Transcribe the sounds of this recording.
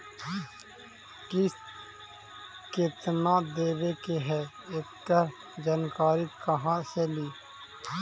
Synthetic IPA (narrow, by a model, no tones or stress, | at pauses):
kɪs | keːt̪ənaːd̪eːʋekeɦɛː | ekt̪əɾ | d͡ʒaːnkaːɾit̪kɐɦãseliː